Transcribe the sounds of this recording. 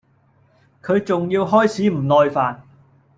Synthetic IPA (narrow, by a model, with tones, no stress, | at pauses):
kʰɵ˨˧ɥt͡sʊ˨ŋjiː˧wɦɔː˥jt͡sʰiː˨˥m̩˨˩lɔː˨˧jfaː˨n